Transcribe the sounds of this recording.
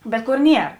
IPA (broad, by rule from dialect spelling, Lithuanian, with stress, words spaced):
ˈbʲɛt ˈkoːr ˈnʲiɛr